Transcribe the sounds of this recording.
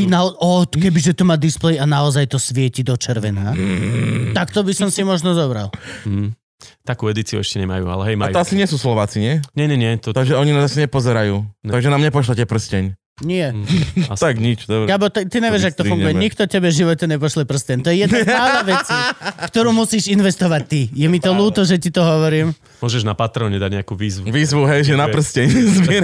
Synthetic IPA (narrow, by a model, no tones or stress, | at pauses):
inaɔɔkɛbizʒɛt̪ɔmad̪isplɛjanaɔzajt̪ɔsʋɪɛcid̪ɔt͡ʃɛɾʋɛna | t̪akt̪ɔbisɔmsimɔʒnɔzɔbɾa̰l | t̪akuːɛd̪it͡siṵɛʃcɛɲɛma̰jṵːa̰lɛɦɛjmaɔasiɲɪɛsuːslɔʋaːt͡siɲɪɛɲɛɲɛɲɪɛt̪t̪aɡʒɛɔɲinazasɛɲɛpɔzɛɾajuːaɡʒɛnamɲɛpɔʃlacɛpr̩scɛɲ | ɲɪɛt̪aɡɲit͡ʃd̪ɔbɾɛabɔt̪ɛt̪iɲɛʋɛʒak̚t̪ɔuŋɡɡujɛɲikt̪ɔcɛbɛʒiʋɔcɛɲɛp̬ɔʃlɛpr̩scɛɲt̪ɔjɛjɛd̪apaʊnaʋɛt͡sifkt̪ɔɾuːmusiːʃinʋɛst̪ɔʋac̚t̪ijɛmit̪ɔluːt̪ɔʒɛt̪it̪ɔɦɔʋɔɾiːm | mʊɔʒɛʒnapat̪ɾɔɲɛd̪aɟɲɛakuːʋiːzʋuʋiːzʋuɦɛjʒɛnapr̩scɛɲzmɪɛɾ